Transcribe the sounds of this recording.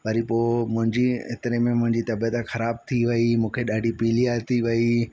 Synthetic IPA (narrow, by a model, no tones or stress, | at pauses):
ʋɐɾipoːmʊ̃ɦɪ̃ɲd͡ʑiɪt̪ɪɾemẽmʊ̃ɦɪ̃ɲd͡ʑit̪ɐbijət̪xɐɾaːb̚t̪ʰiʋɐimũːkʰeɗaːɖʱipiːlijat̪ʰiʋɐi